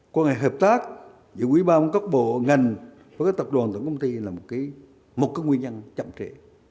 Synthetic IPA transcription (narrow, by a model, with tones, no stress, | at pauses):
kwaː˧ŋa˨˩jɦəː˨˩p̚t̪aː˦˥k̚ | zɨ̰˧˨˦kwi˨˦ɓaː˧mo˧˦ka˦˥k͡p̚ɓo̰˧˨ŋa˨˩jŋ̟ | va˨˦kaː˨˦jt̪p̚ɗwaː˨˩nt̪wŋkə˧wŋ͡mt̪i˧laː˨˩mo˨˩t̚kaː˨˦j | mo˨˩t̚kaː˨˦ŋwi˧ɲə˧nt͡ɕa̰˧˨mt͡ɕḛ˧˩